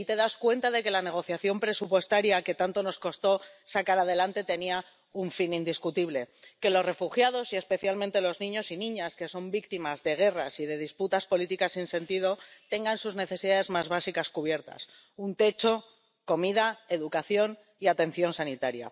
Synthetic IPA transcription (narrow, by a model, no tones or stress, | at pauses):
it̪e̞ðaskwe̞nt̪aðe̞ke̞lane̞ɣ̞o̞θjaθjo̞mpɾe̞supwe̞st̪aɾjake̞t̪ant̪o̞no̞sko̞st̪o̞sakaɾaðe̞lant̪e̞t̪e̞nia | uɱfinĩnd̪iskut̪iβle̞ke̞lo̞sre̞fuxjaðo̞sie̞spe̞θjalment̪e̞lo̞znĩɲo̞sinĩɲaske̞so̞mbik̚t̪imazðe̞ɣ̞e̞rasið̞e̞ð̞isput̪aspo̞lit̪ikasinse̞nt̪ið̞o̞t̪e̞ŋɡansuzne̞θe̞siðaðe̞zmazβasikaskuβ̞je̞ɾt̪a̰s | unt̪e̞t͡ʃo̞ | ko̞miðae̞ðukaθjo̞n | iat̪e̞n̟θjo̞nsanit̪aɾja̰